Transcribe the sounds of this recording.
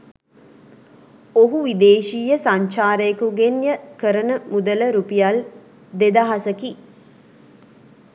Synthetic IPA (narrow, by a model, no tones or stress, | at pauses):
oɦuʋid̪eːʃiːjəsaɲt͡ʃaːɾəjəkuɡenjəkəɾənəmud̪ələɾupijal | d̪ed̪aɦasəki